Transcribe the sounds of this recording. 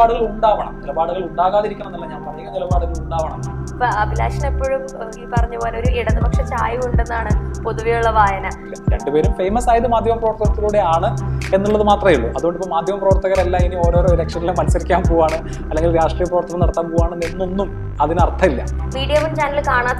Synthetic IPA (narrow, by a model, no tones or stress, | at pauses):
aːɽɨɣɐɭuɳɖaːʋɐɳɐ̰melɐbaːɽɨɣɐɭuɳɖaːɣaːðiɾikʲːɐɳɐmnːɐlːɐɲaːnpɐrɐɲːikːɐmd̪elɐbaːɽɨɣɐɭuɳɖaːʋɐɳɐmːpːɐɐbʱila̰ːʂɐnepːo̞ːɻumoipɐrɐɲːubo̞ːleoɾuʔiɽɐnːɨbɐkʂet͡ɕaːjiuɳɖenːaːɳɨpoðuʋijuɭːɐʋaːjɐnɐ | ɾeɳɖɨpe̞ːɾumfe̞jmɐsaːjɐðɨmaːd̪ʱjɐmɐprɐʋɐrt̪ːɐɣɐɾt̪ːiɣluːɽe̞aːɳɨe̞nːuɭːɐðɨmaːt̪rɐjiɭːuʔɐðuɣo̞ɳɖipːoːmaːd̪ʱjɐmɐprɐʋɐrt̪ːɐɣɐɾɐlːɐinio̞ːɾo̞ːɾoːɾekʂɐnilemɐnɐsɐɾikʲːaːmpoːʋaːɳɨ | ɐlːeŋɡilɾaːʂʈrijɐprɐʋɐrt̪ːɐɣɐmnɐɽɐt̪ːaːmpoːaːɳɨnenːo̞nːum | ɐðinɐrt̪ʰɐilːɐ̰miːɽijɐmumt͡ɕaːnɐlkaːɳaːt̪ː